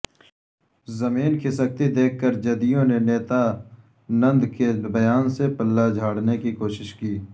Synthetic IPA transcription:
zɐmiːnkisək̚t̪id̪eːk̚ʰkːəɾd͡ʒɐd̪ijõneneːt̪a | nɐ̃nd̪kebɐjaːnsepɐlːad͡ʒʱaːɽnekikoːʃɪʃkiː

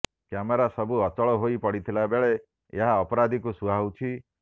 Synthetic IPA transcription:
kameɾasɔbuɔt͡ʃɔɭɔɦoipɔɽit̪ʰilabeɭe | ḛɦaɔpɔɾad̪ʱikusuawt͡ʃʰi

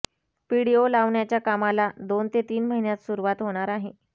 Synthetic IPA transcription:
piɽiolaʋɳjat͡ɕjakamalad̪ont̪et̪iːnməɦinjat̪suɾuʋat̪ɦoɽ̃aɾaɦe

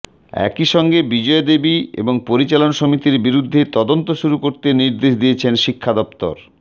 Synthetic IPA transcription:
ɛ̰kiʃɔŋɡebid͡ʑɔed̪ebiḛboŋpoɾit͡ɕalonʃomit̪iɾbiɾud̪ʱːet̪ɔd̪ont̪oʃuɾukoɾt̪eniɾd̪eʃd̪ijet͡ɕʰenʃikʰːad̪ɔp̚t̪o̰ɾ

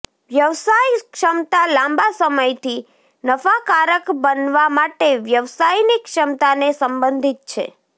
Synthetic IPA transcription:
ʋjəʋsajkʃəmt̪alãmbasəməjt̪ʰi | nəfakaɾəkbənʋamaʈeʋjəʋsajnikʃəmt̪anesəmbə̃nd̪ʱit̪̚t͡ʃʰḛ

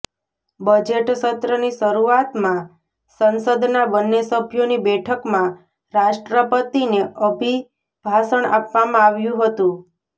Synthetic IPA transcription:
bəd͡ʒeʈʃət̪ɾəniʃəɾuat̪mã | sənsəd̪ʱnabənːesəbʱjonibɛʈʰəkmã | ɾaʃʈɾəpət̪ineəbʱi | bʱaʃəɳa̰pʋamãaʋjũɦət̪ũ

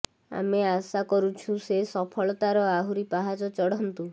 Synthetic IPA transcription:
a̰measakɔɾut͡ʃʰusesɔpʰɔɭɔt̪aɾɔaɦuɾipaɦad͡ʒɔt͡ʃɔɽ̤ɔnt̪u

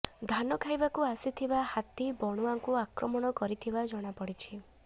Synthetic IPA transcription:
d̪ʱanɔkʰajbakuasit̪ʰibahat̪ibɔɽ̃uaŋkuakɾɔmɔɽ̃ɔkɔɾit̪ʰibad͡ʒɔɽ̃apɔɽit͡ʃʰi

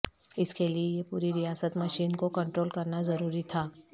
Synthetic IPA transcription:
ɪskeliejepuːɾiɾijaːsət̪mɐʃiːnkokɐ̃ɳʈɾoːlkɐɾnazɐɾuːɾit̪ʰaː

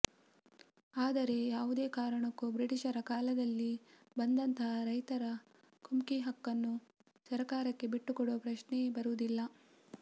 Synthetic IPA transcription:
aːd̪ɐɾe̞jaːʋud̪e̞ːkaːɾɐɳɐkːubɾiʈiʂɐɾɐkaːlɐd̪ɐlːi | bɐnd̪ɐnt̪ɐɦɐɾɐjt̪ɐɾɐ | kumkiɦɐkːɐnːu | sɐɾɐkaːɾɐkːe̞biʈːukɔɽopɾɐʃɳebɐɾud̪ilːɐ

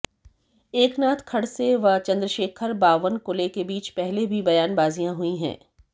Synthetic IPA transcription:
eːknaːt̪ʰkʰɐɽseʋɐt͡ʃɐ̃nd̪ɾəʃeːkʰəɾbaːʋənkʊlekebiːt͡ʃpɛɦlebʱibɐjaːnbaːzijãɦuĩɦɛ̰̃ː

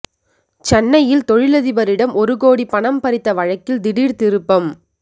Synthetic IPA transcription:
t͡ʃɛnːɐjɪlt̪ɔɻɪlɐðɪbɐɾɪɽɐmɔɾɯɣoːɽipːɐɳɐmpɐɾɪt̪ːɐʋɐɻɐkːɪld̪ɪɽiːɾt̪ɪɾɯpːɐm

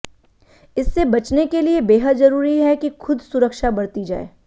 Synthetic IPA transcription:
ɪsːebɐt͡ʃnekeliebeːɦəd̪zɐɾuːɾiɦɛkixʰʊd̪sʊɾəkʃabɐɽt̪id͡ʒa̰ːḛː

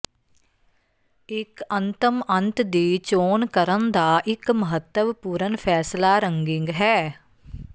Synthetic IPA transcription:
ɪkənt̪əmə̃nt̪d̪iːt͡ʃoːnkəɾənd̪aːʔɪkməɦət̪ːəʋpuːɾənpʰɛːslaːɾəŋɡɪ̃ŋɡɦɛː

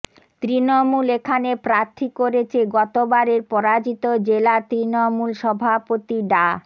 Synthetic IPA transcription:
t̪ɾinomulekʰanepɾaɾt̪ʰikoɾet͡ɕʰeɡɔt̪obaɾeɾpɔɾad͡ʑit̪od͡ʑelat̪ɾinomulʃɔbʱapot̪iɖa

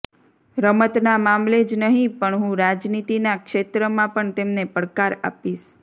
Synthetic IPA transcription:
ɾəmət̪namamled͡ʒnəɦĩpəɳɦũɾad͡ʒnit̪inakʃet̪ɾəmãpəɳt̪emnepəɽkaɾa̰piʃ

